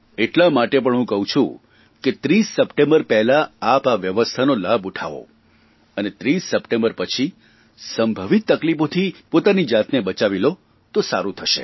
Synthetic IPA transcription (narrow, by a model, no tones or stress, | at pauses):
eʈlamaʈep̬əɳɦũkəɦũt͡ʃʰṵ̃ | ket̪ɾisːəpʈẽmbəɾpɛɦlaːpaʋjəʋəst̪ʰanolabuʈʰa̰ʋo̰ | ənet̪ɾisːəpʈẽmbəɾpət͡ʃʰi | səmbʱəʋit̪ːəklipot̪ʰipot̪anid͡ʒat̪nebət͡ʃaʋilo | t̪osaɾũt̪ʰəʃḛ